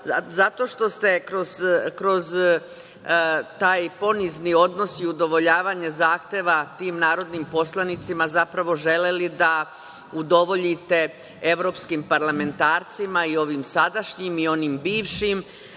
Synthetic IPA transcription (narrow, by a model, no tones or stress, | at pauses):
azat̪o̞ʃt̪o̞st̪e̞kɾo̞zkɾo̞z | t̪aːjpo̞niznio̞d̪no̞siud̪o̞ʋo̞ʎaːʋaɲezaːxt̪eːʋat̪iːmnaːɾo̞d̪nimpo̞slˠanit̪simazapɾaʋo̞ʒe̞le̞lid̪a | ud̪o̞ʋo̞ʎit̪e̞ | eʋɾo̞ːpskimpaɾlame̞nt̪aːɾt̪simaio̞ʋimsad̪aʃɲimio̞nimbiːʋʃim